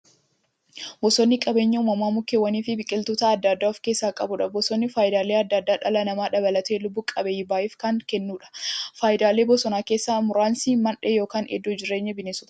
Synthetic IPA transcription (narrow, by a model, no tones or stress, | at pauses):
bɔsɔnːɪkʼɐbeːɲːɐuːmɐmaːmʊkːewɐniːfɪbɪkʼɪlt̪uːt̪ɐːd̪ːɐd̪ːaːɔfke̞ːsːaːkʼɐbʊᶑɐbɔsɔnːɪfaːjɪd̪aːleːɐd̪ːɐd̪ːaːᶑɐlɐnɐmaːᶑɐbɐlɐt̪eːlʊbːʊkʼɐbɛɪbaːʔɪfkaŋkɛnːuːᶑɐ̥faːʔɪd̪aːle̞ːbɔsɔnaːkeːsːaːmʊɾaːnsiːmɐnᶑejoːkaːnɛ̰d̪ːod͡ʒɪɾːe̞ːɲːɐbɪneːsʊt̪ɐ